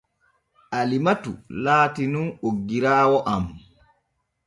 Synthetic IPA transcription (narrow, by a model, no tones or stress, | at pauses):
ʔalimatṵlaːtinunoɡːiɾaːwɔʔam